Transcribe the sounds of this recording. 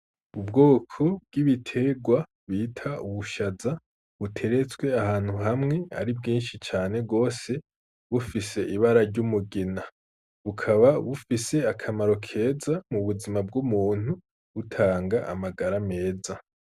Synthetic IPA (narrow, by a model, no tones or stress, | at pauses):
ubɡo̞ːkʰo̞bɡiβitʰe̞ɡwa | βiːtʰauβuʃaza | βutʰe̞ɾe̞t͡sɡwe̞ahaːn̥huɦamŋe̞a̰ɾibɡiːnʃit͡ʃaːne̞ɡo̞ːse̞ | βufise̞ʔiβaɾaɾɟumuɡina | βukʰaβaβufise̞akʰamaɾo̞kʰe̞ːzamuβuzimab̚ɡumuːn̥hu | βutʰaːŋɡaʔa̰maɡaɾame̞ːza